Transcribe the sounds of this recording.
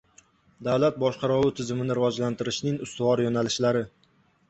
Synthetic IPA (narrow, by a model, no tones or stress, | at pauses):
d̪awlat̪̚bɒʃqʰɑɾʊwɪt̪ʰɪzɪmɪnɪɾɪvɒd͡ʒlant̪ɪɾɪʃnɪŋʊst̪ʊvɒɾjonalɪʃlaɾɪ